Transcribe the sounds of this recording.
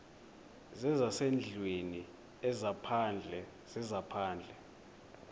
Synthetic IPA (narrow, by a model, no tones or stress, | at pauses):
zɛzasend͡ɮʱweni | ɛzapʰand͡ɮʱɛ | z̥ɛzapʰaːnd͡ɮʱɛ